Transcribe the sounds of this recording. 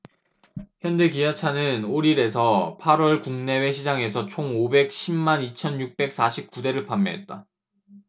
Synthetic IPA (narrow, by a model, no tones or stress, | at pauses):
çjʌnde̞kijat͡ɕʰanɯnoɾiɾe̞sʰʌpʰaɾwʌɭkuŋne̞we̞ɕʰid͡ʑaŋe̞s̬ʰʌt͡ɕʰoŋobe̞k̚ɕʰimːanit͡ɕʰʌnjuk̚p͈e̞k̚s͈aɕʰip̚k͈ude̞ɾɯɭpamːjʌ̰ɦe̞t̚t͈a